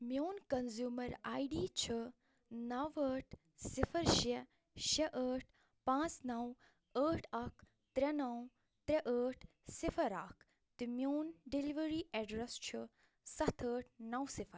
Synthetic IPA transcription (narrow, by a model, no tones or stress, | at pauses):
mjoːnkɐnzjuːmɐɾaːjɖiːt͡ʃʰi | nɐʋəːʈ̚ʰ | sifʰəɾʃe | ʃɐʔəːʈ̚ʰ | pãːt͡snɐw | əːʈʰɐkʰ | t̪ɾenɐw | t̪ɾeʔəːʈʰ | sifʰɐɾa̰kʰ | t̪imjoːnɖiliʋəɾiʔɛɖɾest͡ʃʰu | sɐt̪ʰəːʈ̚ʰnɐwsifʰəɾ